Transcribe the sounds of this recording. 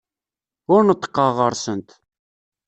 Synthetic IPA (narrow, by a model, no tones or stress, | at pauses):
ʊɾnət̪ˤːə̥qːɑʁəɾˤsənt̪